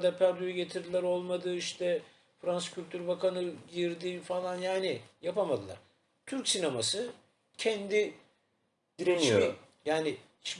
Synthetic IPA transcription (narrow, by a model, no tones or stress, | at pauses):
d̪apʰæɾd̪ujɛɟe̞t̪ʰiɾd̪ilʲæɾo̞lˠmad̪ɯːiʃt̪ʰɛ | fɾansɯ̥cʰylʲt̪ʰyɾbakʰanɯɟiɾd̪ifalˠanjaːnɪjapamad̪ɯlˠa̰ɾ̥ | t̪ʰyɾcsinamasɯ | cʰɛnd̪i | jaːnɪ | ʃ